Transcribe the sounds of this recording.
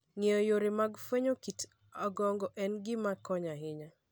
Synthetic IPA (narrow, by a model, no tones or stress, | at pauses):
ŋejojoɾɪmaɡfweɲokit | aɡɔŋɡɔʔɛnɡɪmakɔɲaɦɪɲa